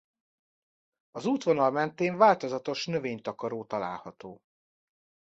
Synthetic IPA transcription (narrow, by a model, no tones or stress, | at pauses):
ɒzuːt̪ʋonɒlmɛnt̪eːɱvaːlt̪o̞zɒt̪o̞ʃnøveːɲt̪ɒkɒɾoːt̪ɒla̰ːlhɒt̪oː